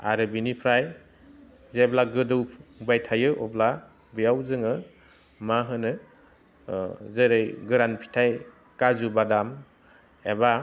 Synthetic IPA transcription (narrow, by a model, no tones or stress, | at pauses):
a̰ɾɯbinipʰɾaj | zeblaɡɯdɯwʰbajtʰajɯʔɔ̰bla | bijawzɯŋɯ | maɦɯnɯ | zɯɾɯjɡɯɾanpʰi̥tʰaj | kazubadam | eba